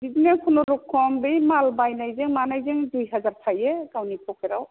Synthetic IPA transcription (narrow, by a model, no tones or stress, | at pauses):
bidinekʰunɔɾukʰːɔmbɯjmalbajnajzeŋmanajzeŋdujɦazaɾtʰajeɡawnipʰɔkeɾaw